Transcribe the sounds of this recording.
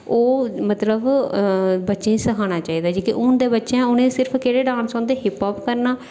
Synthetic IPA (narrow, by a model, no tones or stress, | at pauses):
oːmət̪ləb | bətːʃẽːisəkʰaːñaːt͡ʃaːiːd̪aːd͡ʒiːkɪʔʊnd̪eːbətːʃãːʊnẽːsɪɾpʰkeːɽeːɖãːnsɔ̃ːnd̪eːɦɪpɔːpkəɾnaː